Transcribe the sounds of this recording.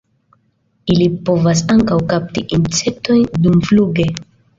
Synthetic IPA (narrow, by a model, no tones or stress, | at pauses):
ilipo̞vas̬aŋkawkap̚tiʔinse̞k̚to̞jndumfluɡe̞